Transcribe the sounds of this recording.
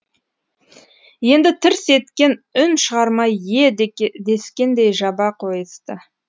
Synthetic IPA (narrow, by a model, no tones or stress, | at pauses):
je̞nd̪ɪt̪ʰɪɾse̞t̪kʲe̞nʏnʃəʁɑɾmɑje̞d̪e̞skʲe̞nd̪e̞jʒɑbɑqʰojəst̪ə